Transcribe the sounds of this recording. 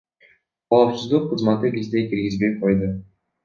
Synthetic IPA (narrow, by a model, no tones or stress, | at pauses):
qʰɑupsuzd̪ˠuqʰːɯzmɑt̪ɯkʲezd̪e̞kiɾɡizbe̞j̚qʰo̞jd̪ʊ